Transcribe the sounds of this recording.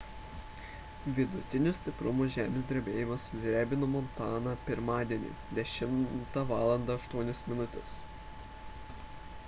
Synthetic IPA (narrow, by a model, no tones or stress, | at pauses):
ʋʲɪd̪ʊt̪ʲɪnʲʊsʲt̪ʲɪpɾʊmuʒʲæːmʲeːsʲd̪ʲɾʲɛbʲeːjɪmɐsʊdʲɾʲæːbʲɪnʊmɔnt̪ɑːnɑpʲɪɾmɑːd̪ʲiɛnʲḭd̪ʲɛʃʲɪmt̪ɑʋɑːlˠɐnd̪ɑɐʃt̪uɔnʲɛsmʲɪnʊt̪ʲɛ̰s